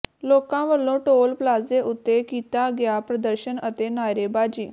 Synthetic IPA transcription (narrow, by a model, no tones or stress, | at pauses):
lokãʋəlːõʈolplad͡zeʔut̪ːekit̪aɡjapɾəd̪əɾɕənət̪enajɾebad͡ʑiː